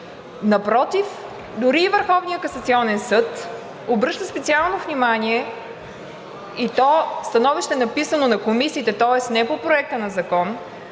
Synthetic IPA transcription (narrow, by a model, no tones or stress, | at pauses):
nɐpɾɔt̪if | d̪ʊɾiːvəɾxɔvnijəkɐsɐt̪siɔnɛnsɤt̪ | obɾɤʃt̪əspɛtsialˠnovnʲimanʲiɛ | it̪ɔst̪ɐnɔviʃt̪ɛnɐpisənonɐkomisiːt̪ɛt̪ɔɛsnɛpopɾoɛk̚t̪ənɐzɐkɔn